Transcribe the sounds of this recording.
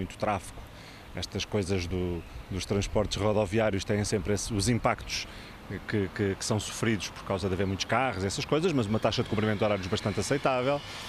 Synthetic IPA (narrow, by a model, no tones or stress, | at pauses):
ũj̃t̪u̥t̪ɾafi̥ku̥ | ɛʃt̪ɐʃkojzɐʒðud̪uʃt̪ɾɐ̃ʃpɔɾt̪ʃʁɔðɔviaɾjuʃt̪ɐ̃jẽj̃sẽmpɾesuzĩmpakt̪u̥ʃ | kɨkɨkɨ̥sɐ̃w̃su̥fɾiðuʃpɔɾkawzɐðɐveɾmũj̃t̪uʃkaʁuziɛsɐʃkojzɐʃmɐzumɐt̪aʃɐðɨkũpɾimẽðɔɾaɾjuʒβɐʃt̪ɐ̃nt̪ɐsɐjt̪avɛlˠ